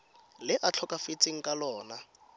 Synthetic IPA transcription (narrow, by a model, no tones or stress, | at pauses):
lɪʔat͡ɬʰɔkʼafet͡sʼɪŋ̩kʼalɔːna